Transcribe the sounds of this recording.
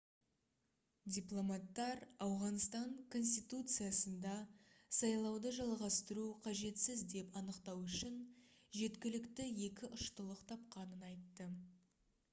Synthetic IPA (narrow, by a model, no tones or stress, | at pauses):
dʲijplˠo̞mɑt̪ːɑɾɑwʁɑnst̪ɑŋkʰo̞ns̬ʲt̪ijt̪ut̪sɨjasənd̪ɑsɑjlˠɑwd̪əʒɑlˠʁɑst̪əɾuqʰɑʒe̞t̪sɪzd̪e̞pɑnəqt̪ɑwʏʃɪnʒe̞t̪kʲɪlɪkt̪ɪje̞kʲɪʔʊʃt̪əlˠəqt̪ʰɑp̚qɑnənɑjt̪ːə